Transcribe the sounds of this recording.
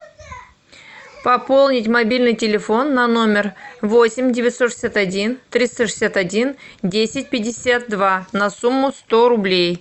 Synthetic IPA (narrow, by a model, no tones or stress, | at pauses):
pɐpo̞lˠnʲɪtʲmɐbʲilʲnɨjtʲɪlʲɪfo̞nːɐno̞mʲɪrvo̞sʲɪmʲdʲɪvʲɪt̪soʂɨ̥sʲat̪ɐdʲint̪ɾʲist̪əʂɨsʲat̪ɐdʲindʲesʲɪt̚ʲpʲɪdʲɪsʲat̪̚d̪vanɐsumːʊst̪o̞ɾʊblʲej